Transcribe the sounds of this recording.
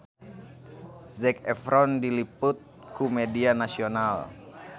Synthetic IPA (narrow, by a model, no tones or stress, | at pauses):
zɛkɛfɾɔndiliput̪̚ | kumɛdianasional